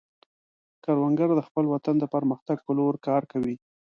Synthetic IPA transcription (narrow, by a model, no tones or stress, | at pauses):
kaɾwaŋɡəɾd̪əxpəlwat̪and̪əpəɾməxt̪aɡ̚pəloɾkɑɾkawi